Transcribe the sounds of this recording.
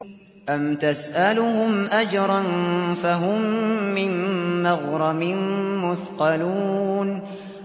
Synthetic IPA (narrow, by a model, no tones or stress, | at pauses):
ʔamt̪asʔalʊhʊmʔad͡ʒɾˤɑnfaɦʊmːɪnːɑɣɾˤɑmɪnmʊθqɑluːn